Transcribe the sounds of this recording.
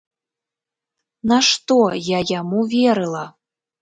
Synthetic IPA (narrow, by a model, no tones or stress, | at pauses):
naʂt̪ojajamuvʲeɾɨlˠa